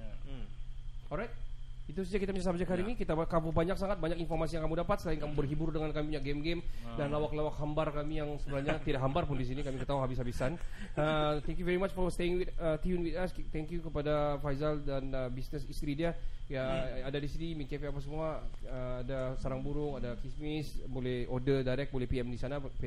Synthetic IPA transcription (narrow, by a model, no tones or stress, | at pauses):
ɔlɾajt̪̚it̪us̬ad͡ʒakit̪apət͡ʃasabd͡ʒakɦaɾinikit̪akamubaɲak̚saŋat̪̚baɲakinfɔrmasijaŋkamudapat̪̚səlainkamubərɦiburdəŋankamipuɲak̚ɡɛmɡɛmdanlawaklawakhambarkamijaŋsəbəɾahɲat̪idakɦambarpʊndis̬inikamikət̪aɦuɦabis̬ɦabisanət̪ɛŋkjuvɛɾimat͡ʃfɔwst̪eɪŋwit̪ət̪iunwit̪ast̪ɛŋkjukəpadafajzaldanəbisnəsist̪ɾidiajaːdadisinimikefeapasəmuaəadasaɾaŋbuɾʊŋadakismɪsbolɛhodədaɾɛk̚bolɛhpiɛmdisanap